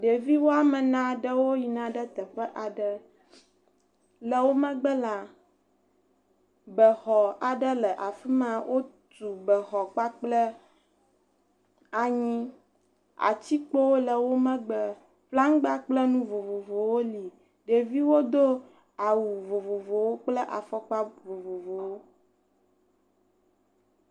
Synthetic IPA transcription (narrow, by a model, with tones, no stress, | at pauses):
ɖe˨vi˦wo˦a˦mə˨nã˦ɖə˦wo˦ji˨nã˦ɖə˦t̪ə˨ɸə˦ʔa˨ɖə˦ | lə˨wo˦mə̃˦ɡ͡bə˦la˨ | bə˨xɔ˨a˨ɖə˦lə˨ʔa˨fi˦mã˦wʔo˦ | t̪u˨bə˨xɔ˨k͡pa˦k͡plə˦ | a˨ɲĩ˦ | a̰˨t͡ɕi˦k͡po˦wo˦lə˨wo˦mə̃˦ɡ͡bə˨ | fla˦ŋ˦ɡ͡ba˦k͡plə˦nũ˦vo˨vo˨vo˨wo˦li˨ | ɖe˨vi˦wo˦d̪o˦ | a˨wu˨vo˨vo˨vo˨wo˦k͡plə˦ʔa̰˨fɔ˦k͡pa˦vo˨vo˨vo˨wo˦